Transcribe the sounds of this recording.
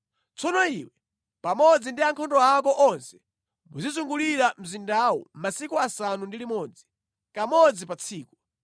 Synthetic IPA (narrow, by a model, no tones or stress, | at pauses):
t͡sʰɔnɔiwɛ | pamɔd͡zindiaŋkʰɔndɔakɔʔɔnsɛ̥ | muzizuŋɡuliɾam̩zindawɔ̰masikuasanundilimɔːd͡zi | kamɔd͡zipat͡sʰiːku